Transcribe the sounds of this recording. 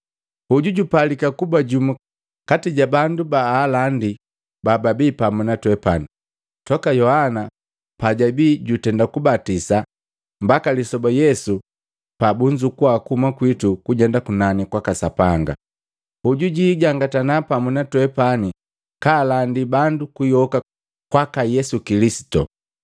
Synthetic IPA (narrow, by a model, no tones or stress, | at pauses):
huɟuɟupalikakubaɟumu | katiɟabandubaːlandi | bababiːpamunatwɛpani | tɔkajɔhana | paɟabiːɟutɛndakubatisa | mbakalisɔbajɛsu | pabuɲd͡ʒukuakuhumakwitukuɟɛndakunanikwakasapaŋɡa̰ | uɟuɟiɟaŋɡatanapamunatwɛpani | kaːlandibandukujɔka | kwakajɛsukilisi̥tɔ̰